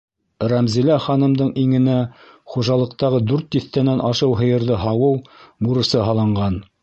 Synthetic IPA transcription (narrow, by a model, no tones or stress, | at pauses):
ræmzilæχɑnɤ̆md̪ɤɴiŋɘ̆næ | χuʒɑlˠɤ̆q̚t̪ɑʁɤd̪ʉɾt̪ːiθt̪ænænʔɑʃɤwɦɤ̆jɤ̆ɾðɤɦɑwɤwmuɾɤ̆sɤɦɑlˠɑ̆ɴɢɑn